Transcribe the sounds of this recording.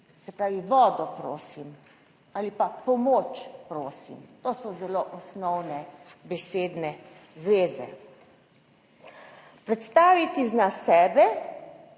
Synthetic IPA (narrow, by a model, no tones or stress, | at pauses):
sɛpɾaːʋiʋɔːd̪ɔpɾo̰ːsim | alipapɔmoːt͡ʃpɾoːsḭmt̪oːsɔzɛloːʔɔsnɔwnɛbɛseːd̪nɛzʋeːzɛ̰ | pɾɛt̪st̪aːʋit̪iznasɛːbɛ